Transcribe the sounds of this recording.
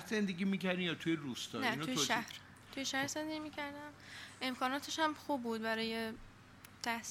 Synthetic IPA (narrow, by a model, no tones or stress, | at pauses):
zend̪eɡʲimiːcæɾd̪imjɒːt̪ʰujeɾust̪ɒːnænoujeʃæh | t̪ʰujeʃæhɾze̞nd̪e̞ɡɟimiːcʰæɾd̪æme̞mkʰɒːnɒːt̪ʰe̞ʃhæmxuːbbuːd̪bæɾɒːje̞ | t̪ʰæhs